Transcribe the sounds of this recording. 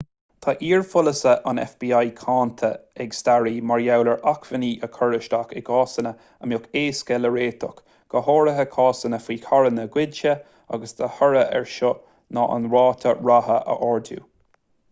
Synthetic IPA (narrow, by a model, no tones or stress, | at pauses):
t̪ʰaʔiːɹfʊləsəʔanɛ̰fb̥iːajkʰaːnt̪ʰəɛɡst̪aɹiːmaɹjawləɹʔakvəniːʔəkʰɔɹɪʃt̪akɛɡɑːsənə | əmjʊkeːskɛləɹeːt̪ʰʊk | ɡ̥əhɔːɹəɦəkʰɑːsənəfiːkʰaɹənəɡwɪdʃə | a̰ɡəsd̪̥əhəɹəʔɛ̰ɹʃɔ | nɑʔə̰nɹɑːt̪ʰəɹahəʔə̰ʔɔɹdṵː